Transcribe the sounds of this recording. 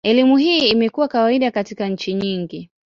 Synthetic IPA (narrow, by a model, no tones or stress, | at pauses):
ɛlimuɦiːmɛkuwakawaiɗakatikaɲ̩t͡ʃiɲiŋɡi